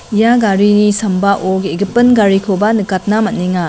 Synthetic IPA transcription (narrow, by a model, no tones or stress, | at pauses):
ijaɡaɾinisɐmbaʔoɡeɡipːɯnɡaɾikʰobanɯkat̚namɐnːiŋa